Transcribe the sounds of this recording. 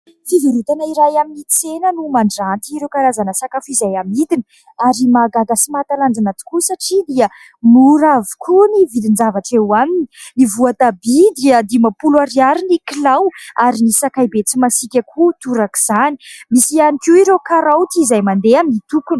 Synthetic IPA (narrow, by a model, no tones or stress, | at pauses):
fiviɾut̪anaiɾajaminit͡senənumaɳɖ͡ʐant̪iɾewkaɾazanəsakafizajamid̪ini | aɾimaɡaɡasimat̪aland͡zanat̪u̥kusaʈ͡ʂid̪iə | muɾavi̥kʰunivid̪ind͡zavaʈ͡ʂewamininivuat̪abid̪iəd̪imapulaɾiaɾinikilawaɾinisakajbet͡simasikʲakʰut̪uɾaki̥z̥ani̥misianikuiɾekaɾawt̪izajmand̪eaminit̪ukun